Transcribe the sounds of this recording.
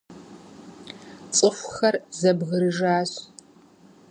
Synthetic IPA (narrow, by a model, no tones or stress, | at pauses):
t͡sʼɨfʷxɐrzɐbʁəɾɨʒaːɕ